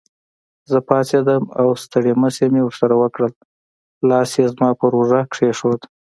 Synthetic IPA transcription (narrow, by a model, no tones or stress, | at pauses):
zəpɑsed̪əmawst̪əɽeməsemewəɾsaɾawəkɽəl | lɑsjezmɑpəɾoʐakʂeʂod̪